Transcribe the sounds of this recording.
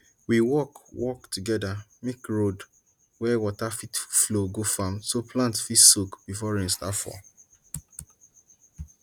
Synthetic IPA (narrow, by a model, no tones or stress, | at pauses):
wiwɔkwʔɔktuɡɛda | mikɹod | wɛwɔtafitfloɡofãmsoplãntfitsokb̥ifɔɹĩnstafɔ̰